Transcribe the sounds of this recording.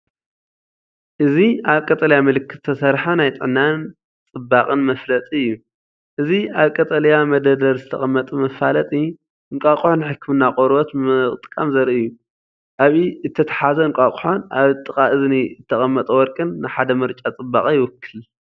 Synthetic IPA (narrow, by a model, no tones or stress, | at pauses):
ʔɨziaβkʼɐt̪ʼɐljamɨlɨkʰːɨ̥t̪ːʰɐsɐɾħanajt̪ʼɨ̰ʕnan | t͡sʼɨbaqʼɨnmɐflɐt̪ʼiɨjːu | ʔɨziaβkʼɐt̪ʼɐljamɐd̪ɐd̪ɐɾzɨt̪ʰɐ̰χʼɐmːɐt̪ʼumɐfalɐt̪ʼi | ʔɨŋkʼakʼħonħɨkʰːɨmɨnːaqʼoɾbot̪ɨɨɨt̪ʼɨkʼamzɐɾiɨjːu | ʔaβiɨt̪ʰːɐt̪ʰḁħazɐɨŋkʼakʼuħonʔaβt̪ʼɨkʼaʔɨzniɨt̪ʰːɐχʼɐmːɐt̪ʼɐwɔɾkʼɨnːɨħad̪ɐmɨɾt͡ʃʼat͡sʼɨbːaχʼijɪwʊkʰːɨl